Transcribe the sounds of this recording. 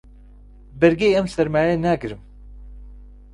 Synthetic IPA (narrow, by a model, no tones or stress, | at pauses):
bɛɾɡejɛmsɛɾmaːjɛnæɡɨɾɨm